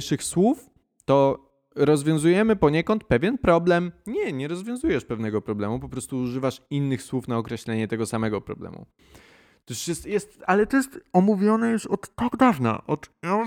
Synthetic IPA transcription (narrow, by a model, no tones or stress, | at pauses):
ʂɘxswuf | t̪ɔ | ɾɔzvʲjɔ̃w̃zujɛmɘpɔɲɛkɔnt̪̚pɛvʲjɛnpɾɔblɛmɲɛɲɛɾɔzvʲjɔ̃zujɛʂpɛvnɛɡɔpɾɔblɛmupɔpɾɔst̪uːʐɘvaʂinːɘxswufnaɔkɾɛɕlɛɲɛt̪ɛɡɔsamɛɡɔpɾɔ̰blɛ̰mṵ | t̪uʂjɛst̪jɛst̪alɛt̪ɔjɛst̪ɔmuvʲjɔnɛjuʂɔt̪ːɔɡd̪avna̰ʔɔt̪a